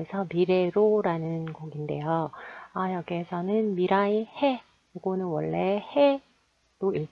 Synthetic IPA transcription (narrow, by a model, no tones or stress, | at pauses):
esʰʌmiɾeɾoɾanɯnɡʌɡinde̞joajʌɡiɦesʰʌnɯnmiɾaihe | kuɡonɯnwʌɭːe̞he | d̥oiɭ